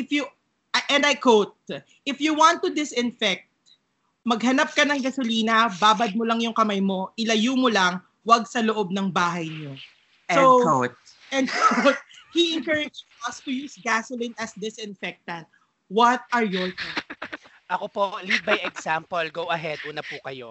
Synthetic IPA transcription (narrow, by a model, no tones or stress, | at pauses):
ʔɪfju | ʔɛ̃nd̪ɐjkowt̪̚ | ʔɪfjuwãnt̪ːud̪ɪsɪ̃nfɛk̚t̪̚ | mɐɡ̚ɦɐnap̚kɐnɐŋɡɐsʊliːnɐbaːbɐd̪̚molɐŋjʊŋkɐmajmo̞ʔɪlɐjumolɐŋ | wɐɡsɐloʔob̚nɐŋbaːɦɐjɲo | owkot̪̚ | ʔɛn̚kʰowt̪̚hiʔɪŋkɛɹɪd͡ʒiɔst̪ʊjusɡasʊlĩnɐsd̪ɪsɪ̃nfɛk̚t̪ɐ̃nt̪̚ | wɐt̪̚ɐɹjɔɹko | ʔɐkopolit̚bɐjɛɡsampolɡowɐɦɛd̪ʔuːnɐpukɐjo